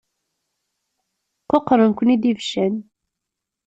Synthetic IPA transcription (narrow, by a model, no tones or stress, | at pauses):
qoqɾˤənkʷənid̪ivʃæn